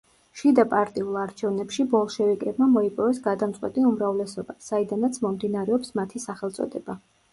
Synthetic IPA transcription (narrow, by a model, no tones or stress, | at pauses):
ʃid̪apʼaɾt̪ʼiulˠaɾt͡ʃʰɛvnɛpʃibɔlˠʃɛvikʼɛbmamɔipʼɔvɛsɡad̪amt̪sʼwɛt̪ʼiumɾavlɛsɔbasaid̪anat̪sʰmɔmd̪inaɾɛɔpsmat̪ʰisaχɛlˠt̪sʼɔ̰d̪ɛba